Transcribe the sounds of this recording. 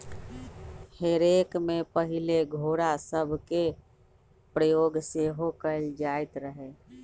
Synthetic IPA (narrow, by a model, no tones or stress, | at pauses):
heɾekmepəɦileɡʱoːɾasəbʱke | pɾəjoːɡseɦokəld͡ʒaɪt̪ɾəɦe